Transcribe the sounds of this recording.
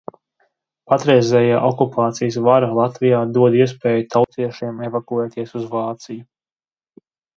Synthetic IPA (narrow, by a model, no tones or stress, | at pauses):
pat̪ɾɛjzɛːjaːʔɔkupʰaːt̪sijəsvaɾalˠat̪vijaːd̪uɔd̪iɛs̬pɛːjut̪ʰawt̪siɛʃiɛmevakuɛːt̪iɛsuzvaːt̪siju